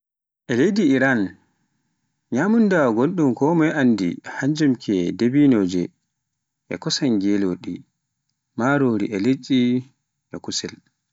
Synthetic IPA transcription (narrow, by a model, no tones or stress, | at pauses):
ʔɛlejdiːɾan | ɲamundawɔɡonɗumkɔːmɔjandḭhaɲd͡ʒɛmkʰɛdebinoːd͡ʒɛ | ʔɛ̰kɔsanɡɛloɗi | maɾoɾiʔɛlet͡ʃːi | ʔɛkusɛl